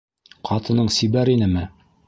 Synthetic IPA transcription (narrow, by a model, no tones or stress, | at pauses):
qʰɑt̪ɤ̆nɤɴsibæɾinɘmɘ